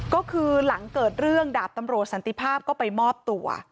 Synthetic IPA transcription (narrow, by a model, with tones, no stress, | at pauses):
kɔː˥˩kʰɯː˧la˩˦ŋkɤː˨˩t̪̚ɾɯ˥˩əŋdaː˨˩p̚t̪a˧mɾu˨˩ət̪̚sa˩˦nt̪i˧˩pʰaː˥˩p̚kɔː˥˩pa˧jmɔː˥˩p̚t̪u˧ɐ̰